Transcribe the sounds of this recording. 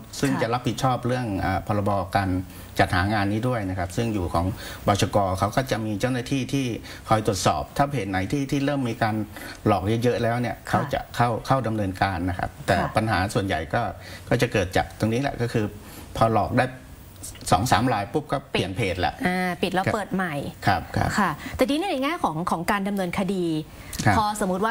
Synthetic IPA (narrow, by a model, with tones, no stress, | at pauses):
sɯ˥˩ŋt͡ɕa˨˩ɾa˦˥pʰi˨˩t̪̚t͡ɕʰɔː˥˩p̚ɾɯ˥˩əŋʔəː˨˩pʰɔː˧la˧bɔː˧kaː˧n | t͡ɕa˨˩t̪̚ha̰ː˩˦ŋaː˧nːiː˦˥du˥˩əjna˦˥kʰa˦˥p̚sɯ˥˩ŋjuː˨˩kʰɔː˩˦ŋbɔː˨˩t͡ɕʰa˧kɔː˧kʰa˦˥wkɔː˥˩t͡ɕa˨˩miː˧t͡ɕa˥˩wnaː˥t̪ʰiː˥˩t̪ʰiː˥˩ | kʰɔ˧jt̪u˨˩ət̪̚sɔ̰ː˨˩p̚t̪ʰaː˥˩pʰeː˨˩t̪̚na˩˦jt̪ʰiː˥˩t̪ʰiː˥˩ɾɤː˥˩mːiː˧kaː˧nlɔː˨˩k̚jɤ˦˥jɤ˦˥ʔlɛː˦˥wni˥˩əkʰa˦˥wt͡ɕa̰˨˩ʔkʰa˥˩wkʰa˥˩wda˧mnɤː˧nkaː˧nːa˦˥kʰa̰˦˥p̚t̪ɛː˨˩pa˧nɦa̰ː˩˦su˨˩ənja̰˨˩jkɔː˥˩kɔː˥˩t͡ɕa˨˩kɤː˨˩t̪̚t͡ɕa̰ː˨˩k̚t̪o˧ŋniː˦˥lɛ̰˧˩ʔkɔː˥˩kʰɯː˧ | pʰɔː˧lɔ̰ː˨˩k̚daː˥˩j | sɔ̰ː˩˦ŋsa̰ː˩˦mɾaː˧jpu˦˥˩p̚kɔː˥˩pi˨˩ənpʰeː˨˩t̪̚lɛ̰˧˩ʔʔaː˧˩pi˨t̪̚lɛ˦˥pɤː˨˩t̪̚ma˨˩jkʰa˦˥˩p̚kʰa̰˦˥kʰa˥˩t̪ɛː˨˩diː˦ni˥˩na˧jŋaː˥˩jkʰɔː˩˦ŋkʰɔː˩˦ŋkaː˧nda˧mnɤː˧nkʰa˧diː˧ | kʰa˦pʰːso˩˦mu˦˥t̪̚waː˥˩